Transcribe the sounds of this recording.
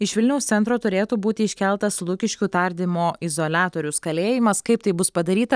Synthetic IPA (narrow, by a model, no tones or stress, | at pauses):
ɪʃʋʲɪlʲnʲɛʊssʲɛnt̪ɾoːt̪ʊɾʲeːt̪uːbuːt̪ʲɪɪʃʲkʲɛlˠt̪ɐslˠʊkʲɪʃʲkʲut̪ɐɾʲd̪ʲɪmoːɪzoːlʲæːt̪oːɾʲʊskɐlʲeːjɪmɐskɐɪp̚t̪ɐɪbʊspɐd̪ɐɾʲiːt̪ɐ